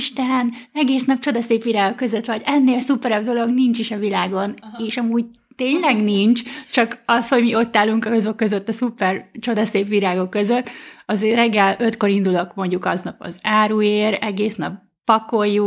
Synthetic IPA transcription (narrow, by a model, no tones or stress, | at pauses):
ʃt̪ɛnɛɡeːsnɒp̚t͡ʃo̞d̪ɒseːpʋiɾaːɡokːø̞zøt̪ʋɒɟɛnːeːlsupɛɾɛbd̪o̞lo̞ɡnint͡ʃiʃɒvilaːɡo̞neːʃɒmuːɟ | t̪eːɲlɛɡnint͡ʃt͡ʃɒkɒsho̞ɟmio̞t̪ːaːlːuŋkɒɒzo̞kːøzøt̪ːɒsupɛrt͡ʃo̞d̪ɒseːpʋiɾaːɡo̞kːøzøt̪ːɒzeːrɛɡːɛlø̞t̪ko̞ɾind̪ulokmo̞ɲɟukɒznɒpɒ̰zaːɾueːɾɛɡeːsnɒ̰pː | ɒko̞jːu